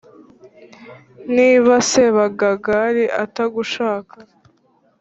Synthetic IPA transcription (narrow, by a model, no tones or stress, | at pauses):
niːβase̞βaɡaɡaɾiʔataɡuʃaːka